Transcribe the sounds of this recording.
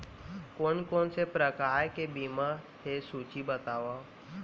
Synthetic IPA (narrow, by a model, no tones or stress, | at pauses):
koːnkoːnsepɾəkaːɾkebima | ɦesuːt͡ʃibət̪aːʋaː